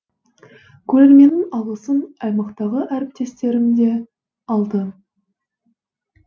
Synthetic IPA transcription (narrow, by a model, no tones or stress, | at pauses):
kʲʰɵɾe̞ɾme̞nɪŋɑlˠʁəsənɑjmɑqt̪ɑʁəʔæɾɪp̚t̪e̞st̪e̞ɾɪmd̪e̞ | ɑlˠd̪ə